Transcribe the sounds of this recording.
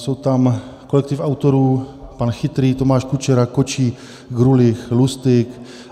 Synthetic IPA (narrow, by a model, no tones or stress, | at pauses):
sowt̪amkolɛk̚t̪ɪfawt̪oɾuːpanxɪt̪ɾiːt̪omaːʃkut͡ʃɛɾakot͡ʃiː | ɡɾulɪxlust̪ɪk